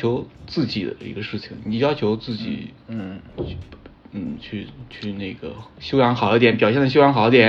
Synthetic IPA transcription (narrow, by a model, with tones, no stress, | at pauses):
jo˧˥ʊt͡sɹ̩˥˩t͡ɕi˨˩d̪ə̰˦ḭ˧˥ɡə˧ʂɻ̩˥˩t͡ɕʰḭ˨˩ŋni˨˩jɑ˥t͡ɕʰjo˧˥ʊt͡sɹ̩˥˩t͡ɕḭ˨˩˦nn̩˥˩˥ | n̩˥˩t͡ɕʰy˥˧t͡ɕʰy˥˧ne˥˩ɡə̰˩ɕjo˥ʊjɑ˧˥ŋxɑ˨˩ʊ˥˩t̪jɛ˧˥npjɑ˨˩ʊjɛ˥˩nə˩ɕjo˥jɑ˧˥xʊə˥t̪jɛ˨˧˥